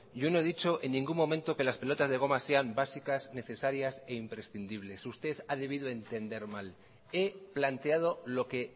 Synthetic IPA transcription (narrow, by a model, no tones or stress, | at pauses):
ɟ͡ʝo̞no̞e̞ðit͡ʃo̞ʔenːĩŋɡumːo̞mẽnt̪o̞ke̞laspe̞lo̞t̪azðe̞ɣ̞o̞mase̞ambasikasne̞θe̞saɾjase̞impɾe̞sθind̪iβ̞le̞sust̪e̞θað̞eβ̞iðoe̞nt̪e̞nd̪e̞ɾmal | e̞plant̪e̞að̞olo̞ke̞